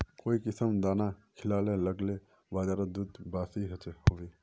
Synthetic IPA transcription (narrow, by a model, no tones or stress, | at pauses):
koːikɪsəmd̪aːnakʰɪlaːleləɡle | baːd͡ʒaːɾəd̪ud̪baːsiɦɐt͡ʃehoːeː